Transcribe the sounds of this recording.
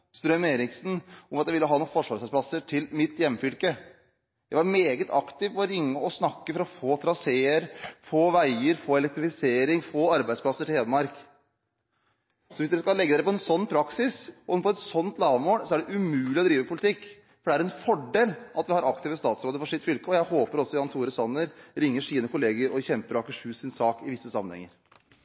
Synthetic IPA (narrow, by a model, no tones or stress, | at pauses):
st̪ɾœmeːɾɪksn̩ʊmɑt̪jæɪʋɪlːəɦɑːnuːfɔʂʋɑːɾsæspʰlɑsəʈʰɪlmɪt̪jɛmːfʏlkə | jæɪʋɑɾmeːɡət̪ʰɑkt̪ɪʋɔɾɪŋːəɔsnɑkːəfɾɑɔfoːt̪ʰɾɑseːəɾfoːʋæɪəɾfoːɛlɛk̚t̪ɾɪfɪseːɾɪŋfoːɑɾbæɪd̪spʰlɑsːəʈʰɪleːd̪əmɑɾk | sɔʋɪsd̪ɛskɑlɛɡːd̪æɾpʰɔɛnsɔnːpʰɾɑksɪsɔpʰɔɛt̪sɔnt̪lɑːʋəmoːlsɔæɖɛʔʉmʉːlɪɔd̪ɾiːʋəpʰʊlɪt̪ʰɪkː | fɔɖɛæɾɛnfɔɖeːlʔɑt̪ʋɪhɑɾɑkt̪ɪːʋəst̪ɑːt̪sɾoːd̪əfɔʂɪt̪fʏlkəɔjæɪhoːpəɾɔsːɔjɑːnt̪ʰuːɾəsɔnːəɾɾɪŋːəʂiːnəkʊleːɡəɾɔçɛmpəɾɑːkəʂʉːsɪnsɑːkɪʋɪsːəsɑmːənɛ̰ŋːəɾ